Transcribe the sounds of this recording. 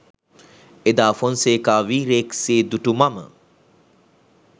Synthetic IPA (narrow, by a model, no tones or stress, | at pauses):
ed̪aːfonseːkaːʋiːɾekseːd̪uʈumamə̰